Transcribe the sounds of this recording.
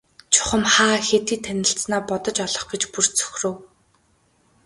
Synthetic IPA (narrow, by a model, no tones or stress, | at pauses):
t͡ɕʰʊ̥χə̆mχaːxet̪iːt̪ʰænʲɪ̆ɬt͡snaːpɔt̪ɞ̆t͡ɕɔɮɞ̆χɡet͡ɕpur̥t͡sʰɵ̥xʲrɵ̆w